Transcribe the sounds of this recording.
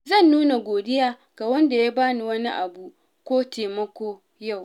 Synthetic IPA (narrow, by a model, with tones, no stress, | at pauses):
zɐ˦˨nːuː˦na˨ɡʷoː˨dɪ˦jaː˦ | ɡ̥a˨wɐ˦nda˨ja˦baː˦ni˨wɐ˦ni˦ʔa˨bu˨ | kʷoː˦teː˨mɐ˦kʷoː˦ | ja˦˨w